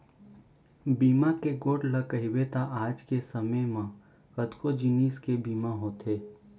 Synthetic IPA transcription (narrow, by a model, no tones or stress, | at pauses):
biːmakeɡoːʈlɐkəɦɪwet̪aʔaːd͡ʒkesəməjmã | əd̪kod͡ʒiniːskebiːmaɦoːt̪ɦeː